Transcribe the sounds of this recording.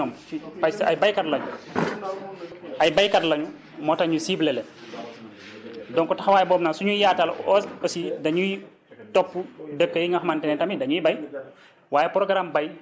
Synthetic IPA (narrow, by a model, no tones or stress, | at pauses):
ɔːm | ipasajbɐjkatlɐɲu | ɐjbɐjkɐtlɐɲu | mɔːtɐɲusiblɛlɛ | dɔŋkɔtɐxwaːjɛbɔːmnaːsuɲujaːtalɔɔsidɐɲuj | tɔpːudəkːəjiŋɡɐxɐmantɛnɛtɐmidɐɲujibɐj | waːjɛpɾɔɡɾambɐj